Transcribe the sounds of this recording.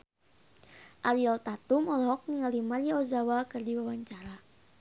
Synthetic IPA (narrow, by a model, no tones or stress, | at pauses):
ʔaɾialt̪at̪umɔlɔɦɔk̚niŋalimariaozawakɨrdiwawaɲt͡ʃaɾa